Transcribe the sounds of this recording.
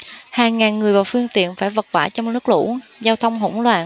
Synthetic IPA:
haː˨˩ŋŋaː˨˩nŋɨ˨˩əjvaː˨˩wfɨ˧əŋt̪ḭ˧˨ənfaː˧˩jvə˨˩t̚kwaː˧˩t͡ɕɔ˧w̚nɨ˦˥ək̚lṵ˧˥zaː˧wt̪ʰə˧wŋ͡mɦo̰˧˥˦ŋ͡mlwaː˨˩n

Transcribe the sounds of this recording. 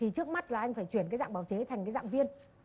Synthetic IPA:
i˨˩t͡ɕɨ˦˥ək̚ma˦˥t̚laː˨˩ʔa˧jŋ̟faː˧˩jt͡ɕwənkaː˨˦za̰ː˧˨ŋ͡mɓaː˧˩wt͡ɕe˨˦t̪ʰa˨˩jŋkaː˨˦jza̰ː˧˨ŋvi˧ən

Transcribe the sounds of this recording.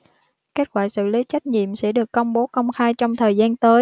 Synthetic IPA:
ke˦˥t̚kwaː˧˩sɨ̰˧˨li˨˦t͡ɕa˦˥jk̚ɲḭ˧˨əmsɛ̰˧˥ɗɨ˨˩əkːə˧wŋ͡mɓo˨˦kə˧wŋ͡mxaː˧jt͡ɕɔ˧wŋ͡mt̪ʰəː˨˩jzaː˧nt̪əː˨˦j

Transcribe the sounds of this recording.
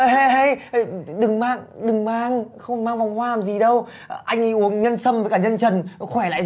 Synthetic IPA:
ha˧ɦa˧jɗɨ˨˩ŋmaː˧˩ŋɗɨ˨˩ŋmaː˧ŋxə˧wŋ͡mmaː˧ŋvwŋ͡mhwaː˧laː˨˩mzi˨˩ɗə˧w | ʔa˧jŋ̟ʔi˧ʔu˨˦əŋɲə˧nsə˧mvəː˨˦jkaː˧˩ɲə˧nt͡ɕə˨˩nxwɛ˧˩la̰ː˧˨

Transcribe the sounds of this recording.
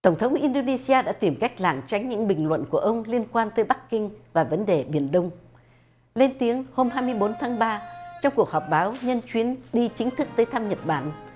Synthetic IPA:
t̪ə˧˩wŋ͡mt̪ʰə˨˦wŋ͡mʔi˧nɗo˧ne˧si˧aː˧ɗa̰ː˧˥t̪i˧˩mka˦˥jk̟̚laː˧˩ŋt͡ɕa˨˦jŋ̟ɲɨ̰˧˥ŋɓï˨˩ŋ̟lwə̰˧˨nku˧˩əʔə˧wŋ͡mli˧ənkwaː˧nt̪əː˨˦jɓa˦˥kkï˧ŋ̟vaː˨˩və˨˦nɗe˨˩ɓi˧˩ənɗə˧wŋ͡m | le˧nt̪i˨˦əŋho˧mɦaː˧jmɨ˧əjɓo˨˦nt̪ʰaː˨˦ŋɓaː˧t͡ɕɔ˧wŋ͡mku˨˩ək̚hɔ˨˩p̚ɓaː˨˦wɲə˧nt͡ɕwi˨˦ənɗi˧t͡ɕï˨˦ŋ̟t̪ʰɨ˦˥k̚t̪əː˨˦jt̪ʰaː˧mɲə˨˩t̚ɓaː˧˩n

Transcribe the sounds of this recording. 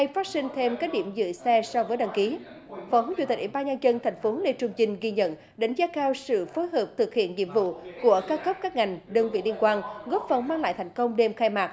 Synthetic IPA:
ha˧jfaː˦˥t̚sï˧ŋ̟t̪ʰe˧mkaː˦˥t̚ɗḭ˧˩əmzɨ̰˧˨sɛ˧sɔ˧vəː˨˦jɗa˧˩ŋki˨˦ | fɔ˨˦hzṵ˧˩t̪i̟˨˩ʔwi˧˩ɓaː˧nɲaː˧nt͡ɕə˧nt̪ʰɛ˨˩jŋ̟fo˨˦le˧˩t͡ɕʊ˧˩ŋ͡mzï˩ŋ̟ɣi˧ɲə̰˧˨n | ɗa˨˦jŋ̟zaː˨˦˥kaː˧wsɨ̰˧˨fo˨˦jɦəː˨˩p̚t̪ʰɨ˨˩k̚hḭ˧˨ənɲḭ˧˨əmvṵ˧˨ku˧˩əkaː˨˦wkə˦˥p̚kaː˦˥k̚ŋa˨˩jŋ̟ɗəː˧ŋvḭ˧˨li˧ənkwaː˧nɣɔ˦˥p̚fə˨˩nmaː˧ŋla̰ː˧˨jt̪ʰa˨˩jŋ̟kə˧wŋ͡mɗe˧mxaː˧jmaː˨˩k̚

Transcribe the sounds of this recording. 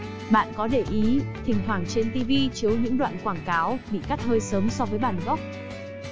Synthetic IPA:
ɓa̰ː˧˨nkɔ˨˦ɗe˧˩ʔi˨˦t̪ʰï˨˩ŋ̟ɦwaː˧˩ŋt͡ɕe˧nt̪i˧vi˧t͡ɕi˨˦əwɲɨ̰˧˥ŋɗwa̰ː˧˨nkwaː˧˩ŋkaː˨˦wɓḭ˧˨ka˦˥t̚həː˧jsəː˨˦msɔ˧vəː˨˦jɓa̰ː˧˨nɣɔ˦˥wk͡p̚

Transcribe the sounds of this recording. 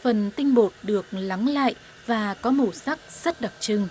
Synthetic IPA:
fə˨˩nt̪ï˧ŋ̟ɓo˨˩t̚ɗɨ˨˩ək̚la˨˦ŋla̰ː˧˨jʔ | vaː˨˩kɔ˨˦mu˧˩sa˦˥k̚z̥ə˦˥t̚ɗa˨˩k̚t͡ɕɨ˧ŋ

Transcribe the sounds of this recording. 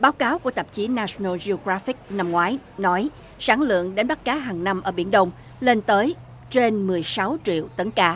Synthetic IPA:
ɓaː˨˦wkaː˨˦wku˧˩ət̪ə˨˩p̚t͡ɕi˨˦naː˧snə˧lzi˧o˧ɣɹaː˧˦fi˦˥k̚na˧mŋwaː˨˦j | nɔ˨˦j | saː˧˩ŋlɨ̰˧˨əŋɗe˨˦nɓa˦˥t̚kaː˨˦ɦaː˨˩ŋna˧mʔəː˧˩ɓi˧˩ənɗə˧wŋ͡m | le˧nt̪əː˨˦j | t͡ɕe˧nmɨ˨˩əjsa˨˦wt͡ɕḭ˧˨əwt̪ə˨˦nkaː˧

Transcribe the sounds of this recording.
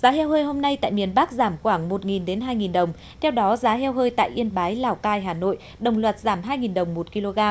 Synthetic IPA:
zaː˨˦hɛ˧whəː˧jɦo˧mna˧jt̪a̰ː˧˨jmi˨˩ənɓa˦˥k̚zaː˧˩mxwaː˧˩ŋmo˨˩t̚ŋi˨˩nɗe˨˦nɦaː˧jŋi˨˩nɗə˨˩wŋ͡m | t̪ʰɛ˧wɗɔ˨˦zaː˨˦ɦɛ˧wɦəː˧jt̪a̰ː˧˨jʔi˧ənɓaː˨˦jlaː˨˩wkaː˧jɦaː˨˩no̰˧˨j | ɗə˨˩wŋ͡mlwə˨˩t̚z̥aː˧˩mɦaː˧jŋi˨˩nɗə˨˩wŋ͡mmo˨˩t̚ki˧lo˧ɣaː˧m

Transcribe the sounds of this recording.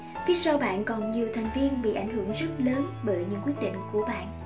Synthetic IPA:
vi˨˧˦sa˧wɓa̰ː˧˨nkɔ˨˩nɲi˨˩əwt̪ʰa˨˩jŋ̟vi˧ənɓḭ˧˨ʔa˧˩jŋ̟hɨ˧˩əŋzə˦˥t̚ləː˨˦nɓəː˧˩jɲɨ̰˧˥ŋkwi˦˥ət̚ɗḭ˧˨ŋ̟ku˧˩əɓa̰ː˧˨nʔ

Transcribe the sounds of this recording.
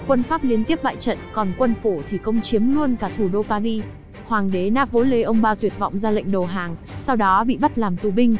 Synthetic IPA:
kwə˧nfaː˦˥p̚li˨˦ənt̪i˦˥əp̚ɓa̰ː˧˨jt͡ɕə̰˧˨nkɔ˨˩nkwə˧nfo˧˩t̪ʰi˨˩kə˧wŋ͡mt͡ɕi˨˦əmlu˧ənkaː˧˩t̪ʰu˧˩ɗo˧paː˧ɣi˧ | hwaː˨˩ŋɗe˨˦naː˦˥vo˨˦le˨˦ʔə˧wŋ͡mɓaː˧t̪wi˨˩ət̚vɔ̰˧˨wŋ͡mzaː˧la̰˧˨ŋ̟ɗə˨˩ɦaː˨˩ŋ | sa˧wɗɔ˨˦ɓḭ˧˨ɓə˦˥t̚laː˨˩mt̪u˨˩ɓï˧ŋ̟

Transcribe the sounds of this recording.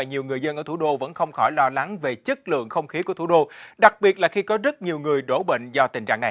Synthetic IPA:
aː˨˩ɲi˨˩wŋɨ˨˩əjzə˧nʔəː˧˩t̪ʰu˧˩˦ɗo˧və̰˧˥nxə˧wŋ͡mxɔ˧˩jlɔ˧la˨˦ŋve˨˩t͡ɕə˦˥t̚lɨ̰˧˨əŋxə˧wŋ͡mxi˨˦ku˧˩ət̪ʰu˧˩˦ɗo˧ɗa˨˩k̚ɓi˨˩ət̚laː˨˩xi˧kɔ˨˦zə˦˥t̚ɲi˨˩əwŋɨ˨˩əjɗo˧˩ɓḛ˧˨ŋ̟zɔ˧t̪ï˨˩ŋ̟t͡ɕa̰ː˧˨ŋna˨˩

